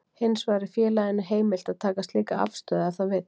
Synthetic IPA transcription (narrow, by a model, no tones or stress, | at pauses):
hɪnsvaːɾɪfjɛːlaðɪnʏɦeːjmɪl̥t̪aðt̪ʰaːkast̪liːkaa̰vst̪œːðaθavɪt̪